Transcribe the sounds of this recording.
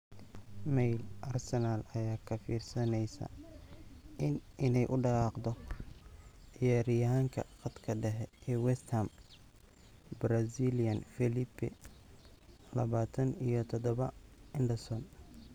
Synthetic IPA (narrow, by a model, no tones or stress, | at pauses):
mɛjlʔɐrsɛnalɐjaːkʰɐfiːrsɐnɛjsɐ̰ | ɪnɪnɛjʔʊɖɑʁɑːqd̪ɔ | ɪjaːɾɪjɐɦaːŋkʰɐ̰qɑd̪kʰɐɖɛɦɛɛːwɛst̪ʰɐm | bɾasilijɐnfɛlibɛ̰ | lɐβaːt̪ʰɐnijɞt̪ʰɔd̪ɔβɐɪnɖɐsɔn